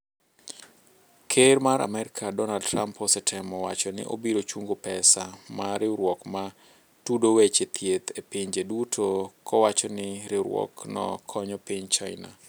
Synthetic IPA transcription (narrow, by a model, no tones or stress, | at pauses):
kʰermaɾa̰mɛɾɪkʰadɔnaldtrampʰɔsɪtʰɪmɔwat͡ʃɔnɪ̰ʔo̰biɾot͡ʃuŋɡopɛsamaɾɪɾwɔkma | tudowet͡ʃet̪ʰjet̪ʰepɪɲd͡ʒedutʰokʰɔwat͡ʃɔnɪɾɪɾwɔ̰knɔ̰kʰɔɲɔpɪɲt͡ʃaɪna̰